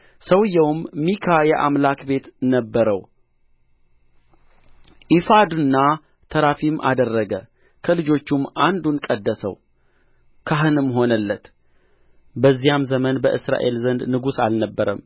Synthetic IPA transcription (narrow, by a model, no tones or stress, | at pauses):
səwjːɛwmːikʰajɛʔamlakbe̞t̪nəbːəɾəw | ʔifad̪unːa | t̪ʰəɾafimʔa̰d̪ərːəɡə | kʰəlɨd͡ʒo̞t͡ʃːumːand̪unkʼəd̪ːəsə̰w | kʰaɦɨnɨmːɦo̞nəlːət̪ | bəzːijamzəmənbəʔɨsɾa̰ʔe̞lzənd̪nɨɡusalnəbːəɾəm